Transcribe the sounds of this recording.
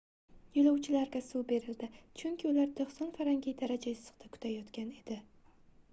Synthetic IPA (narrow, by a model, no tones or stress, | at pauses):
jolawt͡ʃʰɪlaɾɡʲasube̞ɾɪld̪ɪt͡ʃʰʊŋkʲʰɪʊlaɾt̪ʰoχsɒnfaɾaŋɡʲɪjd̪aɾad͡ʒajɪz̥ɨ̥qt̪akʰʊ̥t̪ʰajɒt̪kʲane̞d̪̥ɪ